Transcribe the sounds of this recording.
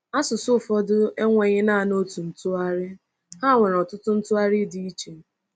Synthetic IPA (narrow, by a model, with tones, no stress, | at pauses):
a˦sʊ˨sʊ˦˨fɔ˦dʊ˦e˦ŋʷe˨ɲɪ˦na˦˨no˦tu˨n̩˨tʊ˦a˦ɾɪ˦ | ha˦˨ŋʷe˨ɾɔ˨tʊ˦tʊ˦n̩˦tʊ˦a˦ɾɪ˦dɪ˦i˦t͡ʃe˨